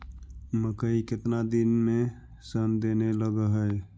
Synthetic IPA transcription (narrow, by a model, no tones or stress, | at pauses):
məkəikɪt̪nad̪ɪnmẽ | sənd̪eneləɡəɦə